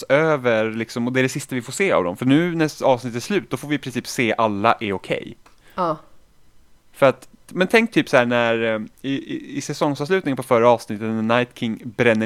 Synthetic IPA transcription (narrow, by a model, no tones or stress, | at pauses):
øːvəɾlɪksɔmɔd̪ɛæɖɛsɪst̪avɪfoːʂseːa̰vd̪ɔ̰mfœɳʉ̟ːnæɑːvsnɪt̪ːæslʉ̟ːt̪̚d̪ɔfoːvɪɪpɾɪnsiːpseːʔalːaʔɛɾʊkʰɛ̰j | fœɾat̪ | mɛnt̪ʰɛŋk̚t̪ʰyːpsɔhæːɳæɾɪɪsɛsɔŋsɑvs̬lʉ̟t̪nɪŋənpʰɔfœɾaɑːvsnɪt̪ːət̪najt̪kʰɪŋːbɾɛnːə